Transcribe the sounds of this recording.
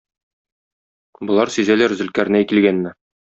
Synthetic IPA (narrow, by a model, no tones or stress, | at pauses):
bŏlˠɑɾsyzælæɾzɘ̆lkæɾnæjkilɡænːɘ